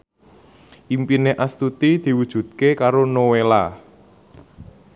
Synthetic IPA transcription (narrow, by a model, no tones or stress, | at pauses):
ʔimpineʔast̪ut̪id̪̥i̤wud̥ʒ̥ṳd̪̚kekaɾonowela